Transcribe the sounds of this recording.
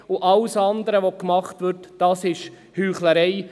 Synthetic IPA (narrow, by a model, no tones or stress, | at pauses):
ʊʔɑlsɑnd̪əɾəʋokmɑχtʋʏɾtd̥ɑːsɪʃ | hyːχləɾɛɪ